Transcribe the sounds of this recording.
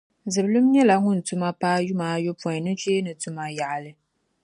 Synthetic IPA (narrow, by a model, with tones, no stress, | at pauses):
zɨ˨blu˦mɲɛ˦la˨ŋʊ˦n˨tu˦ma˦paː˦ju˦maː˨˦jo˦pɔ˨nɨ˦t͡ʃeː˦nɨ˨tu˦ma˦ja˨ʔa˨lɨ˦